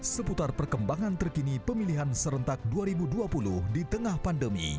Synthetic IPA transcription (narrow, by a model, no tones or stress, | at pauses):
səput̪arpərkəmbaŋant̪ərkinipəmiliɦansəɾənt̪ak̚duaɾibuduapulʊhdit̪əŋahpandəmḭ